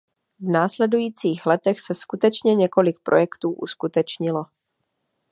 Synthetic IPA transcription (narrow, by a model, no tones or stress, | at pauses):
vnaːslɛdujiːt͡siːxlɛt̪ɛxsɛskut̪ɛt͡ʃɲɛɲɛko̞lɪk̚pɾʔo̞jɛkt̪uːʔṵskut̪ɛt͡ʃɲɪlo̞